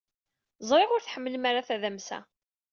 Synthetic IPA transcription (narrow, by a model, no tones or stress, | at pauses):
zˤɾˤeʁʊɾθħəmːələmaɾaθæðæmsæ̰